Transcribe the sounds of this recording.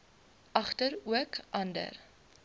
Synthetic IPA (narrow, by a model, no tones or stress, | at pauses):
ʔɐχtəɾuəkʔɐndə̰r